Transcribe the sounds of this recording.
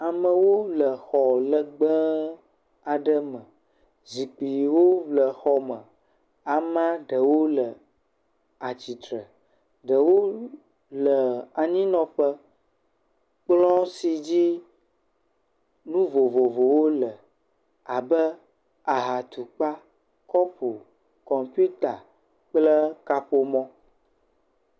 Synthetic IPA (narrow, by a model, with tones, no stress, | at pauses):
a˨mə̃˨wo˦lə˨xɔ˨lə˨ɡ͡bə˦ | a˨ɖə˦mə̃˨ | zi˨k͡pi˨wo˦vlə˨xɔ˦mə̃˨ | a˨mã˦ɖə˨wo˦lə˨ | a˨t͡ɕi˨t̪ɾə˨ | ɖə˨wo˦ | lə˨a˨ɲĩ˦nɔ̃˨ɸə˦ | k͡plɔ̃˦si˨d͡ʑi˦ | nũ˦vo˨vo˨vo˨wo˦lə˨ | a˨bə˦ | a˨ɦa˨t̪u˨k͡pa˦ | kɔ˦po˨ | kɔ˨mpu˦t̪a˨ | k͡plə˦ka˦ɸo˦mɔ̃˦